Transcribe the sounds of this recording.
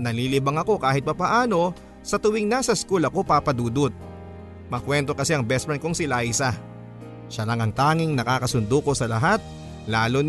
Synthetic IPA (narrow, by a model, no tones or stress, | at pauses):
nɐliːlibɐŋɐko̞kaːhɪt̪̚pɐpɐʔaːno̞ | sɐt̪ʊwɪŋnasɐskulɐko̞papɐd̪uːd̪ʊt̪̚ | mɐkwɛnt̪o̞kɐsɛɐŋbɛspɐnkoŋsɪlajsɐ | ʃɐlɐŋɐŋt̪aːŋɪŋnɐkaːkɐsʊnd̪oko̞sɐlɐɦat̪̚ | laːlon